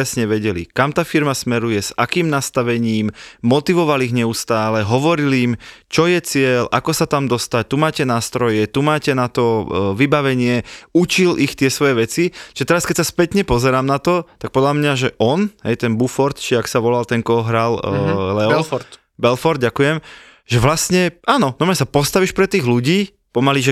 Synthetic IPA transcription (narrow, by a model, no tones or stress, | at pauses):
ɛsɲɛʋɛɟɛlḭkamt̪aːfiɾmasmɛɾujɛzakiːmnast̪aʋɛɲiːmmɔt̪iʋɔʋaliɣɲɛust̪aːlɛɦɔʋɔɾilimt͡ʃɔjɛt͡sɪɛlʔa̰kɔsat̪amd̪ɔst̪ac̚t̪umaːcɛnaːst̪ɾɔjɛt̪umaːcɛnat̪ɔʋibaʋɛɲɪɛut͡ʃilʔixt̪ɪɛsʋɔjɛʋɛt͡sit͡ʃiʒɛt̪ɛɾaskɛcʲsaspɛt̪ɲɛpɔzɛɾaːmnat̪ɔt̪ak̚pɔd̪lamɲaʒɛʔɔnɦɛ̰jt̪ɛnbufɔɾt̪t͡ʃiaksaʋɔlalt̪ɛŋkɔɦɔɦɾallɛɔfɾt̪ | bɛlfɔɾd̪ɟakujɛm | ʒɛʋlasɲɛaːnɔnɔmɲasapɔst̪aʋiːʃpɾɛt̪iːɣluɟiː | pɔmaliʒɛ